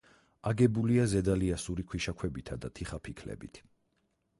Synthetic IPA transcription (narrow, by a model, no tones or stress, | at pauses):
aɡɛbuliazɛd̪aliasuɾikʰwiʃakʰwɛbit̪ʰad̪at̪ʰiχapʰikʰlɛ̰bḭt̪ʰ